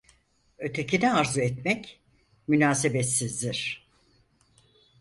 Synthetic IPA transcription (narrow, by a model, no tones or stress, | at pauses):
ø̞t̪ʰe̞cinɛaɾzuɛt̪mɛc | mynaːsebet̪sizd̪iɾ̥